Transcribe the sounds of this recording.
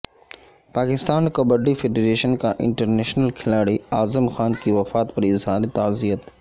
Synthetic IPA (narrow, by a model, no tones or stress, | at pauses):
paːkɪst̪aːnkɐbəɖifeːɖeɾeːʃənkãʔɪ̰̃ɳʈəɾneːʃnəlkʰɪlaːɽiaːzəmxaːnkiʋɐfaːt̪pɐɾɪzɦaːɾit̪aːzijət̪